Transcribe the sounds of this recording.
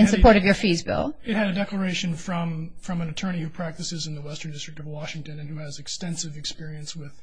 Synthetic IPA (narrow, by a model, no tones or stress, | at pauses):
ɨ̃nsɨpʰɔɹɾʌvjə˞fizbɪ̰lˠɨt̚hɨɾɨdɛklə˞eɪʃɨ̃nfɹʌ̃mfɹʌ̃mɨ̃nɨtʰɜ˞ɾ̃ihupʰɹ̥æk̚tɨsɨzɨ̃nðəwɛstə̃˞ndɪstɹ̥ɨk̚tʌvwɑʃɪ̃ŋtɨ̃nɨ̃nhuɨzɨkstɛ̃nsɨvɨkspɪɹiɨ̃nswɪð̥